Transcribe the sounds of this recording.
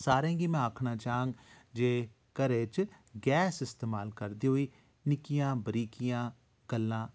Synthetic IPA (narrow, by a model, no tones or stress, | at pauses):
saːɾẽːɡimɛ̃ːaːkʰnaːt͡ʃaːɦãːŋɡ | d͡ʒeː | kəɾeːt͡ʃɡɛːsɪst̪eːmaːlkəɾd̪iːɦoiː | nɪkijãːbəɾiːkɪjãː | kəlːãː